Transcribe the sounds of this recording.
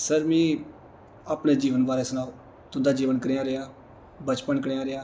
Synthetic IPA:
səɾmĩː | aːpɳeːd͡ʒiːʋənbaːɾeːsʊnaːo | t̪ʊnd̪aːd͡ʒiːʋənkəɾeːãːɾɪaː | bət͡ʃpənkəɽeːãːɾɪaː

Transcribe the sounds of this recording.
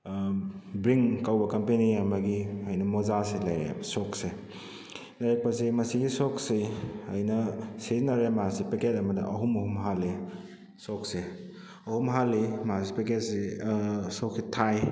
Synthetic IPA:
bɾiŋkawbɐkɐmpeniɐmɐɡiɐjnɐmozaselɐjɾḛsɔkse | laɾek̚pɐsemɐsiɡisɔksiɐjnɐseznɐɾemasipeket̚ɐmɐdḭʔɐɦumɐhumɦali | sɔkse | ɐhumɦalːimasipeket̚si | sɔksitʰaj

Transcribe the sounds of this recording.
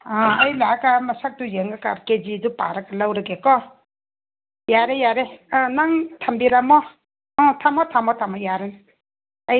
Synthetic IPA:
aajlakamasak̚tujeŋɡaka̰ɾked͡ʒidupa̰ɾakalawɾaɡekɔ | jaɾejaɾeãnaŋtʰambiɾamɔ | ɔtʰamɔtʰamɔtʰamɔjaɾen | a

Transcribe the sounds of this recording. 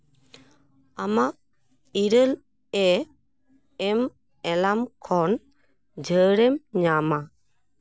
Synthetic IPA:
amaʔ | iɾəl | ɛ | ɛm | ɛlamkʰɔn | d͡ʒʱəɽɛmɲama

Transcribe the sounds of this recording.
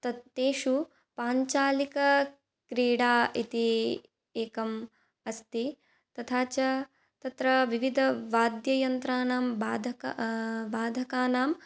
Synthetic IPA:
t̪ɐeːʃu | paːɲt͡ʃaːlikɐ | kɾiːɽaːit̪i | eːkɐm | ɐst̪i | t̪ɐt̪ʰaːt͡ʃɐ | t̪ɐt̪ɾɐʋiʋid̪ʱɐʋaːd̪jɐjɐnt̪ɾaːnaːmbaːd̪ʱɐkabaːd̪ʱɐkaːnaːm

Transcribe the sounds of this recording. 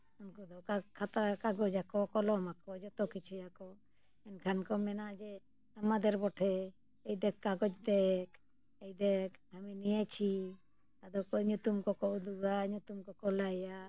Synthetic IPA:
unkud̪ɔkakʰat̪akaɡɔd͡ʒakɔkɔlɔmakɔd͡ʒɔt̪ɔkit͡ʃʰujakɔ | ɛnkʰankɔmɛnaʔd͡ʒɛ | amad̪ɛɾbɔʈʰɛ | ejd̪ɛkːaɡɔd͡ʒd̪ɛk | ejd̪ɛkaminijat͡ʃʰi | ad̪ɔkɔɲut̪umkɔkɔʔud̪uɡaɲut̪umkɔkɔlaja

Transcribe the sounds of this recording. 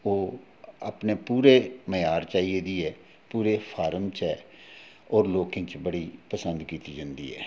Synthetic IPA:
oː | aːpneːpuːɾeːməjaːɾt͡ʃaːieːd̪iːɛː | puːɾeːpʰaːɾəmt͡ʃɛː | ɔːɾloːkẽːt͡ʃbəɽiːpəsənd̪kiːt̪iːd͡ʒãnd̪ḭːɛ̰ː

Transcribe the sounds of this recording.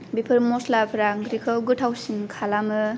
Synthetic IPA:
bipʰɯɾmoslapʰɾaŋɡɾikʰɔwɡɯtʰawsinkʰalamɯ

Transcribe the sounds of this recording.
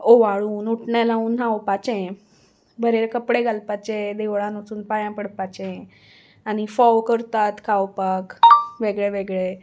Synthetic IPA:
oʋaɭunuʈɳelãũnãopat͡ʃẽ | bʱəɾeɾekəpɽeɡalpat͡ʃẽd̪eʋɭãnut͡sunpajãpəɽpat͡ʃẽ | anifɔwkəɾt̪at̪kʰaopakʋeɡɭeʋeɡɭe

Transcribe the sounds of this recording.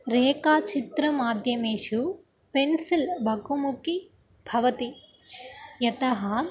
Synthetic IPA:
ɾeːkaːt͡ʃit̪ɾɐmaːd̪ʱjɐmeːʂu | pensilbʱɐkumuki | bʱɐʋɐt̪i | jɐt̪ɐɦɐ

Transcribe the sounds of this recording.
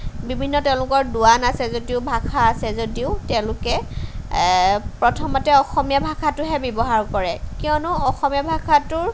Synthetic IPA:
bibʱinːɔtɛʊ̃lʊkɔɹdʊwanasɛzodiʊbʱakʰaːsɛzodiʊtɛʊ̃lʊkɛ | pɹɔtʰɔmɔtɛɔxɔmijabʱakʰatʊɦɛbɔbɔɦaɹkɔɹɛkiɔnʊɔxɔmijabʱakʰatʊɹ

